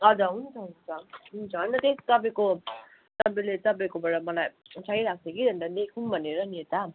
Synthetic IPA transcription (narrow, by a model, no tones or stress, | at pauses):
ʌd͡zʌɦunt͡sʰʌɦunt͡sʰʌɦunt͡sʰʌːnʌt̪esi̥t̪ʌpaĩko | t̪ʌpaĩlet̪ʌp̬aĩkobaɽʌmʌlaj | t͡sʰaiɾak̚ʰt͡sʰʌkid̪ʱʌnd̪ad̪ekʰunbʱʌneɾʌnet̪a